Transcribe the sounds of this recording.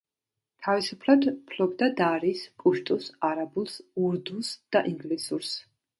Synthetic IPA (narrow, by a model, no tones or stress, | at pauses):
t̪ʰavisupʰlˠad̪pʰlɔb̚d̪ad̪aɾispʼuʃt̪ʼusaɾabulˠsuɾd̪usd̪̥aʔiŋɡlisuɾs